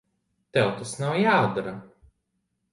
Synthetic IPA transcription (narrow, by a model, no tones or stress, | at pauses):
t̪ɛwt̪asnawjaːd̪aɾa